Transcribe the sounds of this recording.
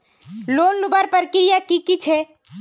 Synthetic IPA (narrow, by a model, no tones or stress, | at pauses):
lonlubaɾpəɾkiɾijakikit͡ʃʰe